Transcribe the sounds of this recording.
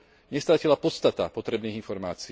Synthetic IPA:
ɲɛst̪ɾacilapɔt̪st̪at̪apɔt̪ɾɛbniːɣinfɔɾmaːt͡si

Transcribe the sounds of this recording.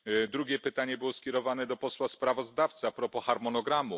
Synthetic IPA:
d̪ɾuɡʲjɛpɘt̪aɲɛbɘwɔskʲɛɾɔvanɛd̪ɔpɔswaspɾavɔzd̪aft̪sɘapɾɔpɔxaɾmɔnɔɡɾamu

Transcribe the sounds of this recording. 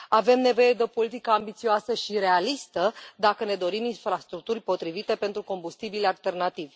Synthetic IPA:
ave̞mne̞vo̞je̞d̪eo̞po̞lit̪ikəambit̪sioasəʃiɾe̞alist̪əd̪akəne̞d̪o̞ɾiminfɾast̪ɾuk̚t̪urʲpo̞t̪ɾivit̪e̞pe̞nt̪ɾuko̞mbust̪ibilalt̪e̞rnat̪ivʲ

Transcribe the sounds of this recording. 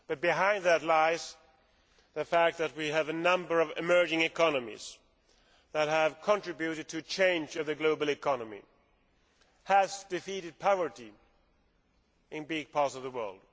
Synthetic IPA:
b̥ʌt̚b̥ɨɦãɪ̃nd̪ðɨtˡlaɪz | ðɨfæk̚t̪̚ðɨt̚wiɨvɨnʌ̃mbə˞ʌvɪmɜ˞d͡ʒɪ̃ŋɨkʰɑnəmḭz̥ | ðɨt̚ɦəv̥kʰə̃ntɹ̥ɪbjʉɾɨd̚tʰɨt͡ʃʰẽɪ̃nd͡ʒʌvðɨɡloʊbl̩ˠɨkʰɑnəmḭ | həzdɨfiɾɨd̚pʰaʊvə˞ɾi | ɨ̃nbɪɡ̚pʰɑɹtsʌvðəwɜ̰˞lˠd̥̚

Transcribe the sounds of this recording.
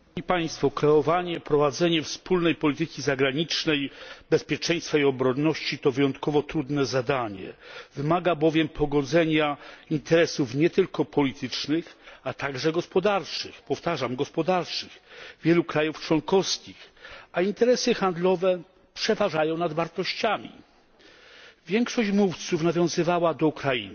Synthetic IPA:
ipaj̃st̪fɔkɾɛɔvaɲɛpɾɔvad̪zɛɲɛfspulnɛjpɔlʲit̪ɘkʲizaɡɾaɲit͡ʂnɛjbɛspʲjɛt͡ʂɛj̃st̪faiɔbɾɔnːɔɕt͡ɕit̪ɔvɘjɔnt̪kɔvɔt̪ɾud̪nɛzad̪aɲɛ̰vɘmaɡabɔvʲjɛmpʰɔɡɔd̪zɛɲaint̪ɛɾɛsufɲɛt̪ɘlkɔpɔlʲit̪ɘt͡ʂnɘxat̪aɡʐɛɡɔspɔd̪aɾt͡ʂɘxpɔft̪aʐamɡɔspɔd̪aɾt͡ʂɘɣvʲjɛlukɾajuft͡ʂwɔŋkɔfskʲixaint̪ɛɾɛsɘxand̪lɔvɛ | pʂɛvaʐajɔ̃w̃nad̪vaɾt̪ɔɕt͡ɕamʲḭ | vʲjɛŋkʂɔɕt͡ɕmuft̪sufnavʲjɔ̃w̃zɘvawad̪ɔukɾaḭn

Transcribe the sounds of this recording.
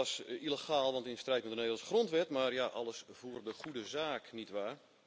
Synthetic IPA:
ɔsiləxaːlˠʋɑntɪndəstrɛjtmɛtəneːvəl̩ˠsχrontʋɛtmaːrjaʔɑ̰lˠəsv̥uːrdəχudəzaːknitʋaːr

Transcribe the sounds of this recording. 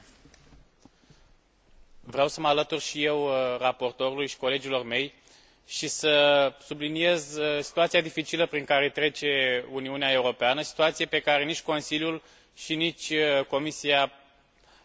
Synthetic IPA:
vɾeawsəməalət̪urʃije̞wrapo̞rt̪o̞ɾulujʃi̥ko̞le̞d͡ʒilo̞rme̞j | ʃisəsublinije̞zsi̥t̪uat̪sijad̪ifit͡ʃiləpɾiŋkaɾe̞t̪ɾe̞t͡ʃe̞uniuneae̞uɾo̞peanəsi̥t̪uat̪siepe̞kaɾe̞nit͡ʃʲko̞nsiljul | ʃinit͡ʃʲko̞misia

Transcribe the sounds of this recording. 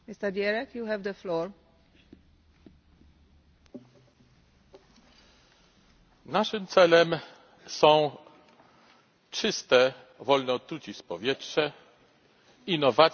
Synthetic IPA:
mist̪əɾd̪jɛɾɛkjuɦɛvd̪əflɔːɹ | naʂɘmt̪sɛlɛm | sɔ̃w̃ | t͡ʂɘst̪ɛ | vɔlnɛːt̪ɾut͡ɕipɔvʲjɛtʂɛ | inːɔva

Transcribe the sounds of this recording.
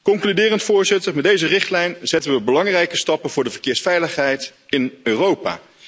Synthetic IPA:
kɔŋklydɪːrəntfʊːɹzɪtərmɛdejzərɪχtlɛjnzɛtənʋəbəlɑŋrɛjkəstɑpənvʊːɹdəvəɹkɪːɹsfɛjləχɦɛjtɪnøːrowpa̰ː

